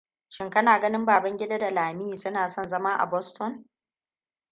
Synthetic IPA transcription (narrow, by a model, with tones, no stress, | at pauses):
ʃɪ˦ŋkɐ˦naː˨ɡɐ˦nɪ˦mbaː˨bɐ˦ŋɡʲɪ˦da˦da˨laː˨mi˦iː˨sʊ˦naː˨sɔ˦˨nzɐ˦maː˦ʔa̰˨bɔ˦stɔ˦n